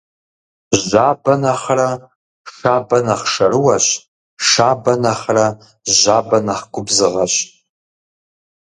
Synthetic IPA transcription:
ʒaːbɐnɐχrɐ | ʂaːbɐnɐχʂɐɾɨwɐɕ | ʂʃaːbɐnɐχrɐ | ʑaːbɐnɐχɡʷʊbzɨʁɐɕ

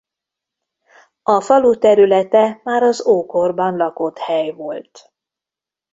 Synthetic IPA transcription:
ɒfɒlut̪ɛɾylɛt̪ɛmaːɾɒzoːko̞rbɒnlɒko̞t̪hɛjvo̞lt̪

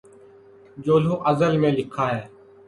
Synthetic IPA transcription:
d͡ʒoːlõːʔəzəlmẽːlɪkʰaːɦeː

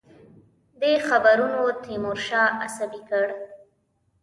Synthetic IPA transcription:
d̪exabaɾunot̪imʊɾʃɑasabikəɽ

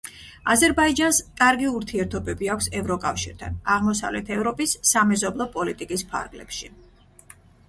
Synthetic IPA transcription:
azɛɾbaid͡ʒanskʼaɾɡiuɾt̪ʰiɛɾt̪ʰɔbɛbiakʰʷsɛvɾɔkʼafʃiɾt̪ʰa̰naʁmɔsa̰vlɛt̪ʰɛvɾɔpʼisːamɛzɔblˠɔpʼɔlit̪ʼikʼispʰa̰ɾɡlɛ̰pʃi

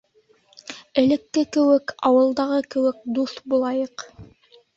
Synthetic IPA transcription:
ɘ̆lɘ̆kːɘkɘ̆wɘkɑwɤ̆lˠd̪ɑʁɤkɘ̆wɘk̚d̪uθbulˠɑjɤq

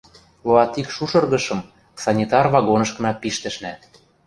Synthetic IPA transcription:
loɑt̪ikʃuʃɤ̆rɣɤ̆ʃɤ̆m | sɑnʲit̪ɑrvɑɣonɤ̆ʃkɤ̆nɑpiʃt̪ɘ̆ʃnæ

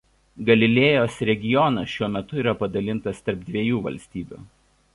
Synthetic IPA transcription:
ɡɐlʲɪlʲeːjoːsɾʲɛɡʲɪjɔnɐsʃʲuɔmʲɛt̪ʊiːˑɾɐpɐd̪ɐlʲɪnt̪ɐst̪ɐɾp̚d̪ʲʋʲiɛjuːʋɐ̰lʲsʲt̪ʲiːbʲṵː

